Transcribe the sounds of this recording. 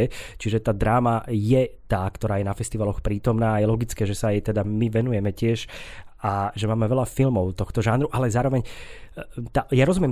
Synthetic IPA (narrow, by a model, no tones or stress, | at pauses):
ɛt͡ʃiʒɛt̪aːd̪ɾaːmajɛt̪aːkt̪ɔɾaːjɛnafɛst̪iʋalɔxpɾiːt̪ɔmnaːjɛlɔɡit͡skɛːʒɛsaːjt̪ɛd̪amiʋɛnujɛmɛcɪɛʃaʒɛmaːmɛʋɛlʎafilmɔʊt̪ɔxt̪ɔʒaːnɾuʔalɛzaːɾɔʋɛɲ | t̪ajaɾɔzumjɛm